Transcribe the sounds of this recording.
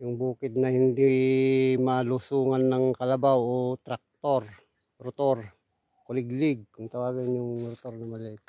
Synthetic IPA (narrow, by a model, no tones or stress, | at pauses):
jʊŋbuːkɪd̪̚nɐhɪnd̪i | mɐlʊsuːŋanːɐŋkɐlɐbawot̪ɾak̚t̪oɾ | ɾʊt̪oɾ | kʊlɪɡlɪɡ̚kʊŋt̪ɐwaːɡɪnjʊŋɾʊt̪oɾnɐmɐlɛt̪